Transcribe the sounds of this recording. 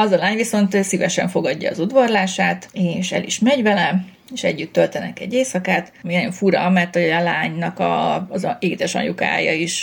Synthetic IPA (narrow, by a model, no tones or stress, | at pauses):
ɒzɒlaːɲʋiso̞nt̪sivɛʃɛ̰ɱfo̞ɡɒɟːɒ̰ːzud̪ʋɒrlaːʃaːt̪eːʃɛ̰lḭʃmɛɟvɛlɛ | eːʃɛ̰ɟːyt̪ːølt̪ɛnɛkɛ̰ɟːeːsɒkaːt̪minɒjo̞ɱfuɾɒmɛrt̪hoɒlaːɲnɒkɒ̰zeːɡit̪ɛʃɒ̰ɲuka̰ːjɒ̰iʃ